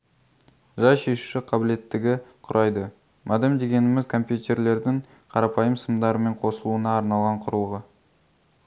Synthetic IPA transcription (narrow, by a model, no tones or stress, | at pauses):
ʒɑjʃe̞ʃu̥ʃɪqʰɑbɪle̞t̪ːɪɡʲɪqʰʊɾʔɑjd̪ə | mʔɑd̪emd̪e̞ɡʲe̞nɪmɪzkʰo̞mpjut̪e̞ɾle̞ɾd̪ɪŋ | qʰɑɾɑpɑjəmsəmd̪ɑɾəme̞ɴqʰo̞səlˠuənɑːɾnɑlˠʁɑɴqʰʊɾəlˠʁə